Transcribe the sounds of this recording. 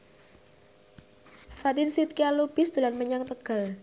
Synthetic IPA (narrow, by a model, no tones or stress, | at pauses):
fat̪ɪnsit̪̚kialub̥ɪ̤sd̪̥ulanməɲaŋt̪əɡ̥a̤l